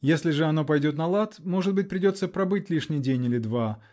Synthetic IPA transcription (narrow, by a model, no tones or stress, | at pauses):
jesʲlʲɪʐɨɐno̞pɐjdʲo̞t̪nɐlˠat̪mo̞ʐɨt̪̚bɨt̚ʲpɾʲɪdʲo̞t̪səpɾɐbɨt̚ʲlʲiʂnʲɪjdʲenʲɪlʲɪd̪va